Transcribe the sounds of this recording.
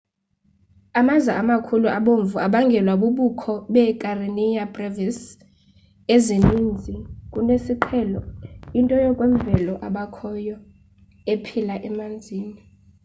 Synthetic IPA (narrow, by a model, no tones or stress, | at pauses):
amazaamakʰuluʔaɓoɱvuaɓaŋɡʱɛlwaɓuɓukʰɔɓɛkʼarinijabravɛs | ezenind͡zʱikʼunesiǃʰɛlɔintʼɔjɔkʼweɱvɛlɔʔaɓakʰɔjɔ | epʰilaʔɛmand͡zʱiːni